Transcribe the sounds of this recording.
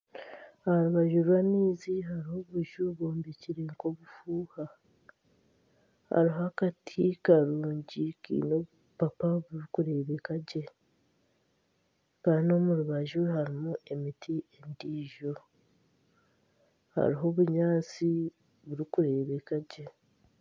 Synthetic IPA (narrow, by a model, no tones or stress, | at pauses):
ahaɾuβaʒuɾwaniːziɦaɾiho̞βuʒuβoːmbeciɾeːŋko̞βufuːha | ha̰ɾiɦakatʰikaɾuːɲɟikḭːno̞βu | papaβuɾikuɾe̞βekaɟe̞ | kano̞muɾuβaʒuhaɾimuʔe̞mitʰie̞ndiːʒo̞ | ha̰ɾiɦo̞βuɲaːt͡si | βuɾikuɾe̞ːβekaɟe̞